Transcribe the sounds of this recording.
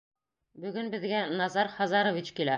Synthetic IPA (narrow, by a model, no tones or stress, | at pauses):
bɵ̆ɡɵnbɘ̆ðɡænɑzɑɾχɑzɑɾŏvit͡ɕkilæ